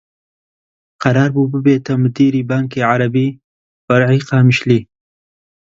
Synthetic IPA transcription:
qaɾɑːɾbubəbet̪amud̪iɾibɑːŋkeʕaɾabi | faɾʕiqɑːmɪʃli

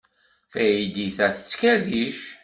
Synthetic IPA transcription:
θæjid̪iθæθət͡sːkæðiʃ

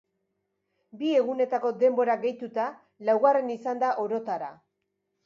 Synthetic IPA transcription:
bie̞ɣune̞t̪ako̞d̪e̞mbo̞ɾaɣe̞jt̪ut̪a | lawɣare̞nisand̪aʔo̞ɾo̞t̪aɾa̰

